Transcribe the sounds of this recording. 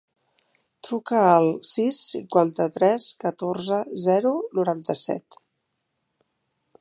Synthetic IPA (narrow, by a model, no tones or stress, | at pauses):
t̪ɾukəːlˠsisːḭŋkwant̪ət̪ɾɛskət̪orzəzɛɾunuɾant̪əsɛ̰t̪